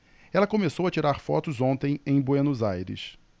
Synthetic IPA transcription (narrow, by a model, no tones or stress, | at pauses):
ɛlɐkomesowɐt͡ʃiɾaɾfɔ̰t̪ʊzõnt̪ẽj̃ẽj̃bwenuzajɾɪ̰s